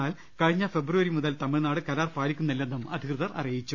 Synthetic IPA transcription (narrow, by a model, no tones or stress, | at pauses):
aːl | kɐɻiɲːɐfebruʋɐɾimuðɐlt̪ɐmiɻnaːɽɨkɐlaːrpaːlikʲːumnːilːenːumɐd̪ʱikrɨðɐrɐ̰rijit͡ɕːu